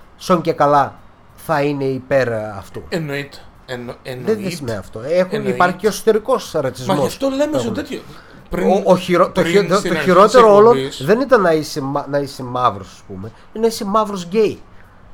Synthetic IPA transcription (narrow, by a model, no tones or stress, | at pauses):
soɲcekɐlɐ | θɐine̞ipe̞ɾɐft̪ṵenoit̪e̥ | ðeðesimeɐ̰ft̪o̞exuipɐɾçiceoeso̥t̪eɾiko̞sɾɐt͡sizmost̪olemesot̪et̪ço | pɾioçiɾot̪oioçiɾo̞tt̪eɾoolosðe̞nit̪ɐnːɐisemɐnɐisemɐvɾosɐspume̞ | inɐisemɐvɾosɟej